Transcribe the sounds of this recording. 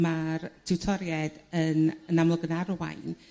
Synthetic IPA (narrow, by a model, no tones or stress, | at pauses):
martʰɪwtʰɔɾjɛdənənamlˠɔɡənarwa̰jn